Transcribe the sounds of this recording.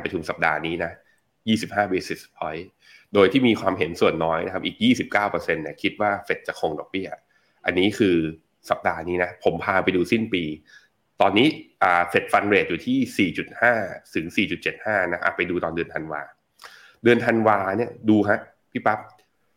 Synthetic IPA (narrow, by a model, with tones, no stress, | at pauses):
npɾa˧t͡ɕʰu˧msa˨˩p̚da̰ː˧niː˦˥na˦˥ | jiː˥˩si˨˩p̚haː˥˩beː˦˧si˨˩spʰɔ˦˥j | doː˧jt̪ʰiː˥˩miː˧kwaː˧mɦe˨˩˦nsu˨˩ənːɔː˦˥jna˦˥a˦˥ʔiː˨˩k̚jiː˥˩si˨˩p̚kaː˥˩wpɤ˧se˧nːi˦˥˩əkʰi˦˥t̪̚waː˥˩fe˨˩t̪̚t͡ɕa˨˩kʰo˧ŋdɔ˨˩k̚bi˥˩ | ʔa̰˧nːiː˦˥kʰɯː˧ | sa˨˩p̚daː˧niː˦˥na˦˥pʰo˩˦mpʰaː˧pa˧jduː˧si˥˩npiː˧ | t̪ɔː˧nːiː˦˥ʔaː˨˩fe˨˩t̪̚fa˧nɾeː˨˩t̪̚juː˨˩t̪ʰiː˥˩siː˨˩t͡ɕu˨˩t̪̚haː˥˩t̪ʰɯ˩˦ŋsiː˨˩t͡ɕu˨˩t̪̚t͡ɕe˨˩t̪̚haː˥˩na˦˥ʔa̰ː˨˩pa˧jduː˧t̪ɔː˧ndɯ˧ənt̪ʰa˧nwa̰ː˧ | dɯ˧ənt̪ʰa˧nwaː˧ni˥˩ɐəduː˧ɦa˦˥ʔ | pʰiː˥˩pa˦˥p̚